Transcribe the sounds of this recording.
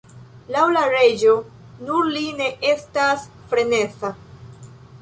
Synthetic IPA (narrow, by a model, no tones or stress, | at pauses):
lawlaɾe̞d͡ʒo̞ | nuɾline̞ʔe̞stasfɾe̞ne̞t͡sa